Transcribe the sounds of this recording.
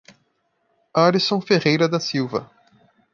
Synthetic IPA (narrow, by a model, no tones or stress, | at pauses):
aɾisõfeʁejɾɐd̪ɐsiwvɐ̰